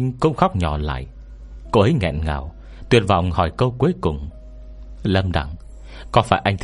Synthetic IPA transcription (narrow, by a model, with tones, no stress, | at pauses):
ŋkə˧˦ŋ͡mxa˦˥wk͡p̚ɲɔ˧˩la̰ː˧˨j | ko˧ʔə˨˦jŋɛ̰˧˨nŋa̰ː˨˩w | t̪wi˨˩ən̚vɔ̰˧˨wŋ͡mhɔ˧˩jkə˧wku˨˦əjkʊ˨˩ŋ͡m | lə˧mɗa̰˧˩ŋ | kɔ˨˦faː˧˩jʔa˧jŋ̟t̪ʰ